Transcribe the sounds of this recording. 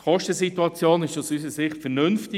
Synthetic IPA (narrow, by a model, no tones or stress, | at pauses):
χɔʃtəsituɑt͡sjoːnɪʃɑsys̬əsɪχtfɛɾnʏnftɪ